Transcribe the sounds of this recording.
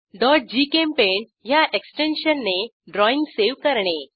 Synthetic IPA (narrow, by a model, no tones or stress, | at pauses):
ɖɔʈ̚d͡ʑikempeɳ | jaʔeksʈenɕənːe | ɖɾɔĩŋɡseʋkəɾɳe